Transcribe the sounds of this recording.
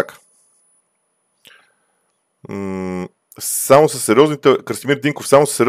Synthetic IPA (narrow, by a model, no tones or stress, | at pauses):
akə̥ | samosəsːɛɾjɔznit̪ɛkɾsmiɾd̪iŋkofsamʊsə̥sːɛɾʲ